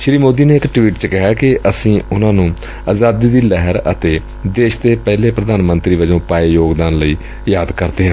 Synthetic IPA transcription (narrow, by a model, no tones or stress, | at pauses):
ʃɾiːmoːd̪iːneːɪkʈʋiːʈt͡ʃkɪɦaːkɪʔəsĩːʊnãːnũː | aːzaːd̪iːd̪iːlɛɦəɾə̰t̪eː | d̪eːʃt̪eːpɛːleːpɾəd̪aːnmə̃nt̪ɾiːʋəd͡ʒõːpaːeːjoːɡd̪aːnləiː | jaːd̪kəɾt̪eːɦɛ̃